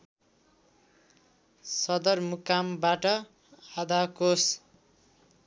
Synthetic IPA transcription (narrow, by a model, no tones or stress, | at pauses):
sʌd̪ʌrmukːambaʈʌ | ad̪akos